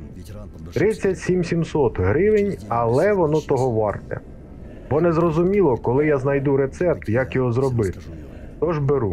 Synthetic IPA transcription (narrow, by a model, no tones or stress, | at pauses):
t̪ɾɪt͡sʲːɐtʲsʲimsʲimsɔt̪ɦɾɪʋɪnʲɐlˠɛʋɔnɔt̪ɔɦɔʋɑrt̪ɛ̰ | bɔnɛzɾɔzʊmʲilˠɔkɔlˠɪjaznɐjd̪uɾet̪sɛp̚t̪jɐkjɔɦɔzɾɔbɪt̪ɪ̥ | t̪ɔʒbeɾu